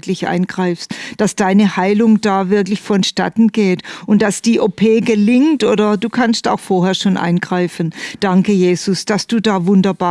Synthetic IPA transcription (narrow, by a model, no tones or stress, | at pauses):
kʰlɪçʔa̰ɪnɡ̥ʁaɪfstd̥asd̥aɪnəhaɪlʊŋdaːvɪɐklɪçfɔnʃta̰tn̩ɡeːtʔʊnt̚d̥asd̥iːʔopʰeːɡəlɪŋtʔoːdɐduːkʰansta̰ʊxfoːɐɦɛːɐʃoːnʔa̰ɪnɡ̥ʁaɪfən̩d̥aŋkəjeːz̥ʊsd̥asd̥uːdaːvʊndɐbaː